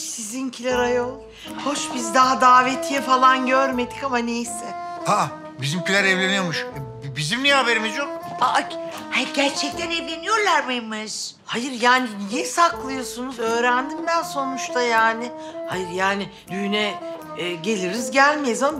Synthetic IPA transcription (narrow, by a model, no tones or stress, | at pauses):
sizincʰilʲaɾajolˠ | ho̞ʃbizd̪aɦad̪aːve̞t̪ʰijɛfalˠanɟøɾme̞d̪ikamanejsɪha | bizimcʰilʲaɾɛvlʲenijomuʃɛ | bizimniɛabe̞ɾimizd͡ʒobaʔak | hɛɟæɾt͡ʃʰɛc̚t̪ʰænevlʲe̞nijo̞ɾlˠaɾmejmaz | hajɯɾjaːninisaklˠɯjo̞sunuzø̞ːɾænd̪ind̪ænso̞nut͡ʃt̪ʰajaːnɪ | hajɯɾjaːnɪ | d̪ynɛː | ɟe̞lʲiɾizɟælʲmezam